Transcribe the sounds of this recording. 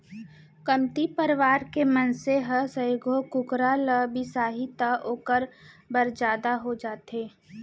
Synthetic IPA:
kɐmt̪ipəɾʋaːɾkemənseɦəsə̃joɡʱokʊkɾaləbʱisaːɦit̪əʔoːkəɾbəɾd͡ʒaːd̪aɦod͡ʒaːt̪eː

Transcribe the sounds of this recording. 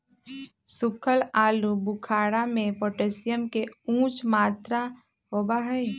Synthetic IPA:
sʊkʰəlaːlubʊkʰaːɽamẽpoːʈesijəmkeũːt͡ʃmaːt̪ɾa | ɦoːbaɦɛi

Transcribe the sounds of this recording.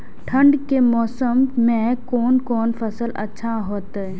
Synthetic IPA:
ʈʰə̃ɳɖkemɔːsəmːẽkɔːnkɔːnfɐsəlɐ̰tːʃʰaɦoːt̪ɛ

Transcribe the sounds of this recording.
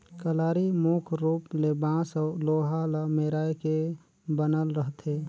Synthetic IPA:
kəlaːɾimoːkʰɾuːplebãːsəloːɦaləmeɾaːjke | bənəlɾəɦt̪ʰe

